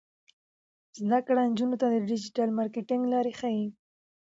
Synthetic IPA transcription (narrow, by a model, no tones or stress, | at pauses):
zd̪akɽand͡ʒunot̪ad̪əɖɪd͡ʒɪʈalmɑɾkeʈɪŋɡlɑɾexai